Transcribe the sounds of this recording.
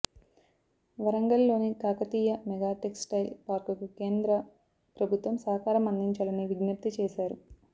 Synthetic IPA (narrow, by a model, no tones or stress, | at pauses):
ʋɐɾɐŋɡɐlːo̞ːnikaːkɐt̪iːjɐmɛɡaːʈeksʈɐjlpaːɾkukuke̞ːnd̪ɾɐ | pɾɐbʱut̪ʋɐmsɐːɐkaːɾɐmɐnd̪iɲt͡ʃaːlɐniʋiɡnɐp̚t̪it͡ʃeːʃaːɾu